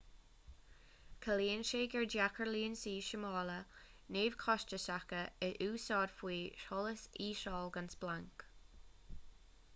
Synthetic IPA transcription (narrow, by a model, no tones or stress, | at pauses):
kʰəliːənʃeːɡɛɹdjakəɹliːnsiːʃəmɑːlə | neːvkʰɔʃt͡ʃəsakəɪʔuːsɑːdfwiːʃɔləsiːʃɔːlɡansb̥laŋk